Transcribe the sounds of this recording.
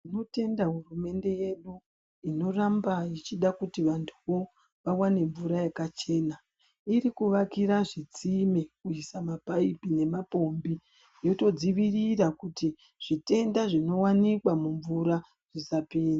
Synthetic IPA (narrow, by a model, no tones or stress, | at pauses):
ino̞te̞ndaɦurume̞nde̞je̞ɗu | ino̞rambait͡ʃiɗakutiʋantʰuʋo̞ | ʋawane̞ɱvuɾajekat͡ʃe̞na | iɾikuʋakiɾaʐit͡simekuisamapaipine̞mapo̞mbi | jo̞to̞d͡ziʋirirakuti | ʐ̥ite̞ndaʐino̞wanikwamuɱvuɾa | ʐ̥isapiːna